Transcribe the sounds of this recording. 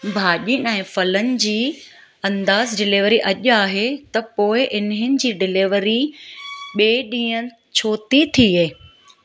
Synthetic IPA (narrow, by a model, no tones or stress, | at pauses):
bʱaːʄinɛ̃ːfɐlənɪ̆d͡ʑiː | ɐ̃nd̪aːzɖɪlɪʋəɾiʔɐʄaːɦet̪ɐpoːɪʔɪnɦɪnɪ̆d͡ʑiːɖɪlɪʋɾi | ɓeːɗĩːən | t͡ɕʰoːt̪it̪ʰieː